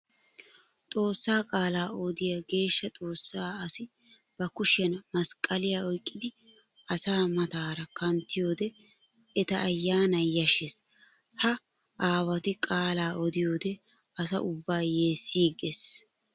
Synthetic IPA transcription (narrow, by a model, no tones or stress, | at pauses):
t̪ʼo̞ːsːaːkʼaːlaːɔd̪ɪjaɡe̞ːʃːɐt̪ʼo̞ːsːaːɐsɪ | b̥ɐkʊʃɪjɐnmɐskʼɐlɪjaːɔjkʼːɪd̪ɪ | ɐsaːmɐt̪aːɾɐkɐnt̪ːɪjo̞ːd̪ɛ | ɛt̪ɐːjːaːnɐjɐʃɛs | hɐ | ʔaːwɐt̪ɪkʼaːlaːʔɔd̪ɪjo̞ːd̪ɛ | ɐsɐ̰ʔʊbːaːjeːsːiːɡes